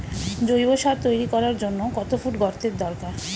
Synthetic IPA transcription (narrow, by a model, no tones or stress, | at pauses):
d͡ʑojboʃaɾt̪ojɾikɔɾaɾd͡ʑonːokɔt̪ofuʈɡɔɾt̪eɾd̪ɔɾkaɾ